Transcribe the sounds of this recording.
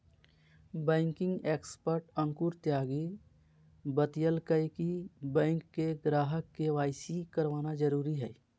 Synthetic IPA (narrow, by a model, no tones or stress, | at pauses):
bɛ̃ːŋkɪ̃ŋɡeːkspəɾʈə̃ŋkuɾt̪jaːɡi | bət̪ijəlkəjkibɛ̃ːŋkːeɡɾaːɦəkːeʋaːɪsikəɾʋaːnad͡ʒəɾuːɾiɦɛ̰ː